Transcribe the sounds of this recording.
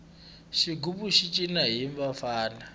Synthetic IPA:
ʃiɡupuʃit͡ʃʼinaɦiɱvafaːna

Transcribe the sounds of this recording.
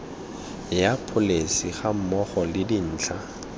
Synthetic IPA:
japʰʊlesiχam̩mɔχɔlɪdin̩ːt͡ɬʰa

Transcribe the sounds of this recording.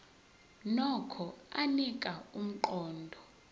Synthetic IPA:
nɔkʰɔanikʼaum̩ǃɔːndʱɔ

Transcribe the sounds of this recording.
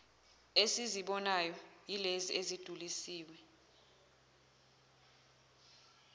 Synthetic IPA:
esiziɓɔnajɔjileziezid̥ʱulisiːwɛ

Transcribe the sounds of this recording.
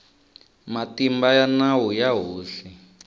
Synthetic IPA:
matimbajanawujaɦuːsi

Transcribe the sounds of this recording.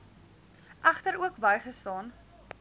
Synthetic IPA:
ʔɐχtəɾuəkbɐjχəstɑːn

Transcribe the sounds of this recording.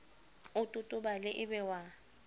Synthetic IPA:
ʊtʼʊtʼʊbalɪʔɪbɛwa

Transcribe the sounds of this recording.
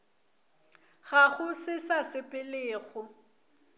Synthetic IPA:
ɣaɣʊsɪsasɪpʼɪleːɣʊ

